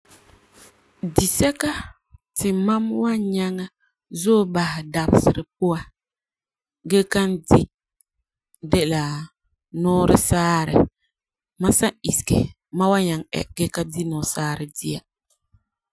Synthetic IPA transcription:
di˨sɛ˦ka˦ | tɪ˨ma˦mwa˦ɲa˦ŋa˦ | zoː˦ba˨hɪ˨da˨bɪ˨sɪ˨ɾɨ˨p̚ʊ˦a˦ | ɡɛ˦ka˦ndi˦ | dɛ˦la˨ | nɔː˦ɾɨ̰˦saː˦ɾɪ̰˨ | ma˦sa˦i˨skɪ̰˨ | ma˦wa˦ɲa˨ŋɛ̰˨ɡɛ˦ka˦di˦nɔ˨saː˦ɾɪ˨di˦a˨

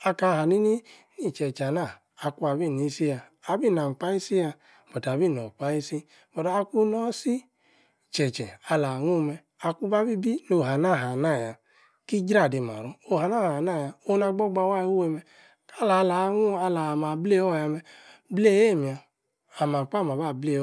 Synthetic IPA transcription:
a˧ka˧˦˨ha˨ni˦ni˦ni˦˨t͡ʃɛ˨t͡ʃa˨naː˦˨˧ | ku˦a˨bi˦˨ni˦si˦ja˧a˨bi˦˨na˨m˨k͡pa˦i˦si˦ja˧ | b̥ɔ˨ta˨bi˦˨nɔ˨k͡pa˦i˦si˦ | bɔ˨ta˨˦a˧ku˦nɔ˦si˦˨ | t͡ʃɛ˨t͡ʃɛ˨a˧la˨ŋu˦˨˧mɛ˧ | a˧ku˦ba˦bi˦bi˦no˨ɦa˨na˦˨ɦa˨na˦˨ja˨ | ki˦d͡ʒɾa˦˨de˨ma̰˨ɾɔ˦o˦˨a˨na˦˨ha˨a˨na˦˨ja˧o˦na˧ɡ͡bɔ˦ɡ͡ba˧˦wa˦u˦e˧mɛ˧ | ka˦˨la˨˧la˨˧˦ŋu˦a˧la˨ma˨ble˦ɔ˦˨ja˧mɛ˧ble˦˨je˦˨mi˨aː˨ | ma˨k͡pa˦˨ma˨ba˦˨ble˦˨˦

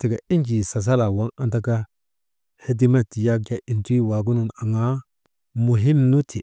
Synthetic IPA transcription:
ti˨ka˨i˦nki˨sa˨s̬a˦la˨wa˦ŋa˦nta˦ka˦ | he˦d̬i˦ma˦ti˨ja˦k̚ja˨i˨ntːwa˨ɡu˦nu˨na˨ŋa˦ | mu˨ɦi˦mnu˦tʰi˨

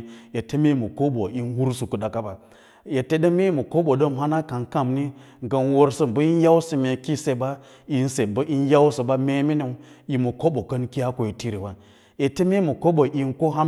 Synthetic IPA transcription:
je˨te˦me˦mu˨ko˦bo˨ʔi˦nwu˦ɾsu˨ku˨ɗa˨ka˦ba˨ | je˨te˦də˦me˦mə˨ko˦ɓo˨də˦mɦa˦na˦ka˨nka˦˨mni˦ | ɡə˨nwo˦ɾsə˦m˨bə˦i˦n˦ja˦wsə˨mʲe˨ki˦se˦˨ba˦ | i˨n˦se˨m˨bə˦ʔi˦n˦ja˦wsə˨ba˦me˦mi˦ni˨˦ji˨mə˨ko˦ɓo˨kə˦nki˦a˦ko˨je˨ti˦ɾi˨wa˦n | je˨te˦me˦mə˨ko˦ɓo˨ʔi˨nko˦ɦa˦

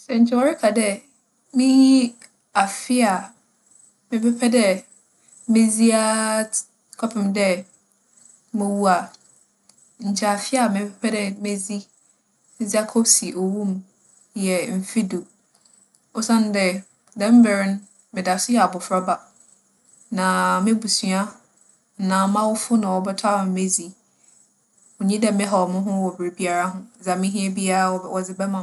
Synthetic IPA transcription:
sɛ˨ɲ̩˨t͡ɕʰɪ˦wɔ˨ɾɪ˦kʰa˨dɛ˦ | mɪ̃˦ji˦ | a˨fɪ˦a˨ | mɪ̃˨pɛ˦pʰɛ˦dɛ˦ | mɪ̃˦zi˦a˦ | kʰɔ˦pʰɪ̃˨mdɛ˦ | mɪ̃˨wu˦a˨ | ɲ̩˨t͡ɕʰɛ˨a˨fɪ˦a˨mɪ̃˨pʰɛ˦pʰɛ˦dɛ˦me˦zi˦ | zi˦a˦kʰɔ˦si˨ʔo˨wũ˦m | jɛ˨m̩˨fi˦du˨ | o˦sã˦n˦dɛ˨ | dɛ̃˦m̩˦bɛ˨ɾɪ˦n˦ | mɪ̃˨da˨sɪ˦jɛ˨a˨bʊ˨fɾa˦ba˨ | nã˨mɪ̃˦bu˨su˦a˦ | n̩˨nã˨˦mã˦wʊ˦fʊ˦nã˨wɔ˨bɛ˦tʰa˦mʊ̃˨mẽ˦zi˦ | ʊ˨ɲĩ˦dɛ˦mɪ̃˦ɦɔ˨mʊ̃˦ɦʊ̃˦wɔ˨bɪ˨ɾi˨bi˦a˨ɾa˦ɦʊ̃˦˨za˨mɪ̃˦ɦĩ˦ɛ˦bi˦a˦ɾa˨wɔ˨d͡zɪ˨˦bɛ˦mã˨

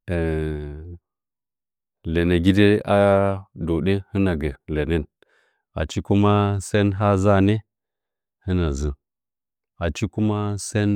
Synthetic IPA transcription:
e˨ | le˨ne˨ɡʲi˦de˦a˦do˨ɗe˦hɨ˦na˨ɡe˨le˨ne˦˨n | a̰˨t͡ʃi˦ku˦ma˦se˦nɦa˦za˦ne˦ | hɨ˦na˨zɨ˨ | a˨t͡ʃi˦ku˦ma˦se˦n

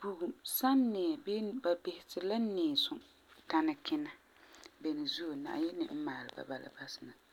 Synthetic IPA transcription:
b̥u˨ɡu˨sa˦nːɛ˨be˦ba˨bɪ˨hɪ˨tɪ˨la˦neː˨sʊ˨ | ta˦na˨kɪ˦na˦ | bɛ˨nɨ˨zu˦o˨na̰˨ʔjɛ˦nɪ̰˨ʔɪ˦maː˨lɨ˨ba̰˨ba˨la̰˨ba˦sɪ˨na˨

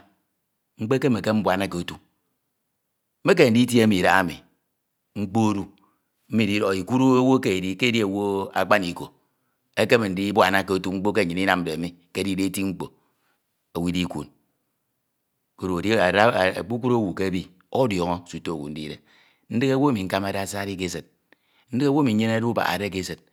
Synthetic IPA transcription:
ŋ͡m̩˦k͡pe˦ke˦me˨ke˦m̩˦bwa˨na˦ke˨o˨˦tu˦ | m̩˦e˦k̬e˦n̩˨di˦t̬i˦e˦mi˨ɾa̰˦a˦˨mḭ˨ | ŋ͡m̩˦k͡po˦o˦ɾu˦ | m̩˦mi˦˨di˦ɾo˨i˨ku˦ɾo˦e˦wo˦ke˦e˨di˦ke˦di˦e˨wo˦a̰˨k͡pa˦ni˨ko˨ | e˦ke˦me˨n̩˨di˦bwa˨na˦˨ke˨o˦tu˦ŋ͡m̩˦k͡po˦ke˦˨ɲi˨ni˦na˦m̩˨de˨mi˦ | ke˦di˦de˦ti˦ŋ͡m̩˦k͡po̰˨ | a˨wi˦di˦kʷṵ˨n | ko˦ɾo˨dḭ˦˨˦k͡pu˦ku˦ɾo˦wu˨ke˦bi˦ | o˦djɔ˨ŋɔ˦˨su˨to˦o˨wṵ˨n̩˦dḭ˦ɾḛ˨ | n̩˦dɨ˦ka˦wo˦a˦mi˨ŋ̩˦ka˦ma˨da˦˨˦sa˦ɾi˦k̬e˦sɨ˨t̚ | n̩˦da˦wo˦mi˨˦ɲe˦na˦du˦ba̰˨a̰˨ɾe˦k̬e˦sɨ˨t̚

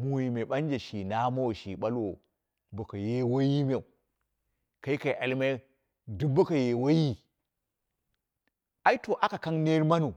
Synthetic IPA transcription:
mu˨ji˨me˨ɓa˦n˦d͡ʒe˨ʃi˨na˦ma˦wo˨ʃi˨ɓa˦lwo˨ | bo˨ka˨je˦wa˦ji˦mʲe˨u˨ | ka˨i˦ka˨i˨ʔa˨lme˦ | du˦ba˦ka˨je˨wa˦ji˦ | a˦i˦to˨ʔa˦ka˨ka˦ŋne˦ɾma˦nu˨

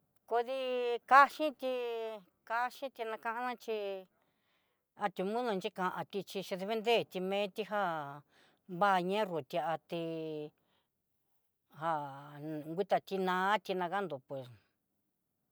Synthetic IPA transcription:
ko˧ði˧ka˦ʃĩ˦t̪i˧ | ka˧ʃĩ˦t̪i˧nã˧kã˧ʔã˧nã˦t͡ʃi˧ | a˧t̪ʲu˧mũ˦ðũ˧nt͡ʃi˦kã˧ʔã˧t̪i˧t͡ʃi˧ʃĩ˧ðe˧βe˦nd̪e˦˨t̪i˧mẽː˦t̪i˧ɦa˦ | βa˦˧ɲẽ˦ru˨t̪ʲa˧ʔa˧t̪i˧ | ha˧ŋɡʷi˦t̪a˧t̪i˧nã˧˦t̪i˧nã˧ka˦nd̪u˨pwe˨s

